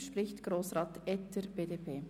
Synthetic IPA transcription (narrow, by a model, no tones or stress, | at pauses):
ʃpɾɪçtɡ̥ɾoːsʁɑːtɛtəbeːdeːpʰeː